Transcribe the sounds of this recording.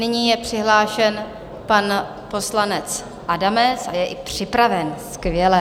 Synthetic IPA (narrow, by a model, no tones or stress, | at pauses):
nɪɲiːjɛpr̝̥ɪɦlaːʃɛn | pan | po̞slanɛt͡s | ʔadamɛsajɛʔɪpr̝̥ɪpɾavɛnskvjɛlɛ